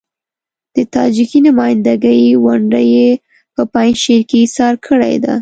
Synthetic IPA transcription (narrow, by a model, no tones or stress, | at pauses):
d̪̥ət̪ɑd͡ʒikinʊmɑjnd̪aɡəjwʊɳɖəje | pəpajnʃeɾkeisɑɾkʰəɽa̰jd̪a̰